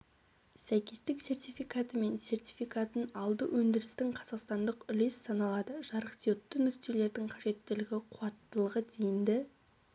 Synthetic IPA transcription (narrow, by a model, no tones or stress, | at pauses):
sæjkʲe̞st̪ɪkse̞rt̪ijfijkat̪əme̞nse̞rt̪ʲijfijkat̪ənɑlˠd̪əwʔɵnd̪ɪɾɪst̪ɪŋqʰɑzɑqst̪ɑnd̪əqʏle̞sːɑnɑlˠɑd̪əʒ̥ɑɾəqt̪ijot̪ːənʏkt̪e̞le̞ɾd̪ɪŋqʰɑʒe̞t̪ːɪlɪɡʲɪqʰuɑt̪ːəlˠəʁəd̪ejɪnd̪ɪ